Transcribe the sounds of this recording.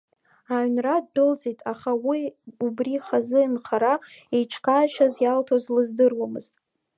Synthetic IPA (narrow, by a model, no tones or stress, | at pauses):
aɥnradːɨld͡zijtʼaχawiubriχazɨɨnχʰaɾaejʈ͡ʂʰkʰaʃazjaltʰozlɨzdɨrwamɨ̰ztʼ